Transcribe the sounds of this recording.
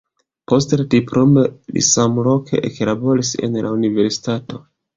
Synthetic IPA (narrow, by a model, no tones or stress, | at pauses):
po̞stlatipɾomelḭsamlo̞kʰḛʔeklabo̞ɾise̞̰nlʔa̰unive̞ɾsi̥tato̞